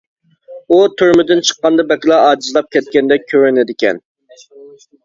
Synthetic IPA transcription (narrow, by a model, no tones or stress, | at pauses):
ut̪ʰyɾmɪd̪ɪnt͡ʃʰə̥qːɑnd̪ɑbɛkʲlˠɑɑːd͡ʒizlˠɑp̚kʲʰɛt̪̚kʲɛnd̪ɛkʲʰøɾɪnɪd̪ɪkʲɛ̰n